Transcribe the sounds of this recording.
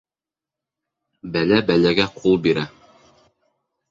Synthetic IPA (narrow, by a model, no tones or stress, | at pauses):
bælæbælæɡæqʰulˠbiɾæ